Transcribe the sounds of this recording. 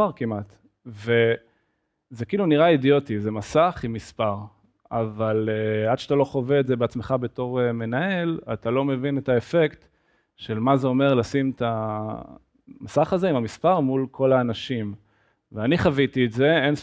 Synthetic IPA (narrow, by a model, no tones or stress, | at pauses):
aʁkimʔat | ve̞ | zekiːluniʁaidio̞tizemasaχimːispaʁ | a̰valead̥ʃatalo̞χoveetzebeat͡smeχabe̞to̞ʁeme̞nae̞latalo̞me̞vinetae̞fe̞kt̪ | ʃelmazeo̞me̞ʁlasimta | masaχazeimamispaʁmulkʰo̞laːnaʃim | veaniχavitiːtze̞en